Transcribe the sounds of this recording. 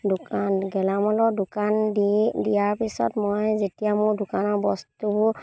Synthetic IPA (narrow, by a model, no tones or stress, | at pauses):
dʊkanɡɛlamɔlɔdʊkandijaɹpisɔ̰tmɔjzetijamʊɹdʊkanɔɹbɔstubʊ